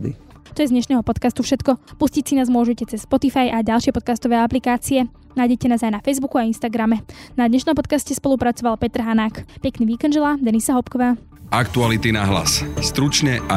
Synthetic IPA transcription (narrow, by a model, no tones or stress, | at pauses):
d̪ḭ | t̪ɔjɛzd̪ɲɛʃnɛːɦɔpɔt̪kast̪ufʃɛt̪kɔpuscicsinaːzmʊɔʒɛcɛt͡sɛsːpɔt̪ifajʔaɟalˠʃɪɛpɔt̪̚kast̪ɔʋɛːaplikaːt͡siɛ | najɟɛcɛnaːzajnafɛjzbukuainst̪aɡɾamɛnad̪ɲɛʃnɔ̃mpɔt̪̚kascɛspɔlupɾat͡sɔʋalpɛt̪ɾɦanaːkpɛkniːʋiːkɛnʒɛlad̪ɛnisaɦɔpkɔʋaː | akt̪ualit̪inaɦla̰sst̪ɾut͡ʃɲɛa